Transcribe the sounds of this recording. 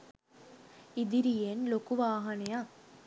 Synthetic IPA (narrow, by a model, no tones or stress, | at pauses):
id̪iɾijenlokuʋaːɦɐneja